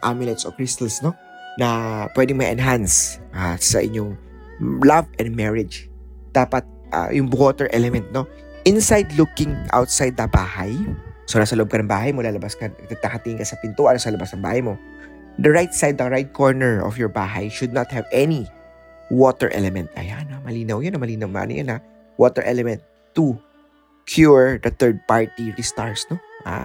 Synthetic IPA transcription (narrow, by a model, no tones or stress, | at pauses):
ʔamɪlɛt̪so̰kɹɪst̪ɐlsno | nɐpwɛd̪ɪŋmɐʔɛnɦans | asɐ̰ʔɪ̰ɲoŋ | lavɛnd̪̚mɛɹɪd͡ʒ | d̪̥aːpɐt̪̚ʔɐ̰jʊŋbot̪ɛɹʔɛlɛmɛnt̪̚no | ʔɪnsajd̪lukɪ̃ŋʔa̰wt̪̚sajd̪ːɐbaːhɐjsolasɐloʔob̚kɐnɐŋbaːɦɐjmolaːlɐbaskɐt̪ɐt̪ɐkɐt̪iɪ̃ŋkɐsɐpɪnt̪uːʔɐnosɐlɐbasnɐŋba̰ːhɐjmo̞ | d̪ɐɹajt̪sajd̪̚ːɐɹajt̪̚kʰoɹnɛɹɔ̰fjɔɹbaːɦɐ̰jʃʊd̪̚nɐt̪̚hɛvʔɛni | wot̪ɛɹʔɛ̰lɛmɛ̃nt̪̚ʔɐ̰janamɐliːnɐwjonomɐliːnɐwmɐ̰ʔɐ̰nʊ̰jona | wot̪ɛɹʔɛ̰lɛmɛ̃nt̪ː | u | kʰjuɹd̪ɐt̪ɛɹd̪̚paɹt̪iɹist̪aɹsnoʔa̰